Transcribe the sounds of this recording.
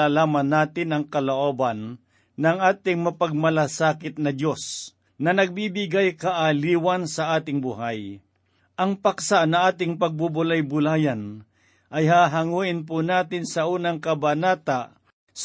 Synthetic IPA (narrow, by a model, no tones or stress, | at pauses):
aːlaːmɐnːaːt̪ɪnɐŋkɐloʔoːbanː | ɐŋʔaːt̪ɪŋmɐpaɡ̚mɐlasaːkɪt̪̚nɐd̪jo̞s | nɐnɐɡ̚bibɪɡajkaʔaliːwansɐʔaːt̪ɪŋbʊɦaj | ʔɐŋpaksaʔnɐʔaːt̪ɪŋpɐɡ̚bubʊlajbʊlaːjan | ʔɐjɦaɦaŋuːʔɪnp̬ʊnaːt̪ɪnsɐuːnɐŋkɐbanaːt̪a | s